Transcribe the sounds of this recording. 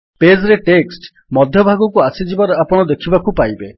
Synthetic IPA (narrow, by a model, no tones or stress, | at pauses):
ped͡ʒɾeʈeksʈ | mɔd̪ʱjɔbʱaɡɔkuasid͡ʒibaɾɔapɔɽ̃ɔd̪ekʰibakupajbe